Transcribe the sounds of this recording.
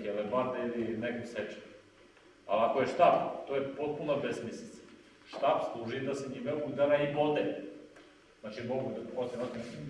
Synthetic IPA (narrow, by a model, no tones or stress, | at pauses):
elebaɾd̪einekosɛt͡ʂe̥n | alakojeʃt̪aːbt̪ojepo̞t̪̚punabesmislʲit̪sḁ | ʃt̪aːbslˠuʒid̪aseɲimeud̪aɾaipot̪e | znat͡ʃimoɡud̪apot̪emat̪